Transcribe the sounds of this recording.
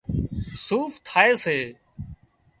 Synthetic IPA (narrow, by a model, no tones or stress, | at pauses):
suːft̪ʰaːeːseː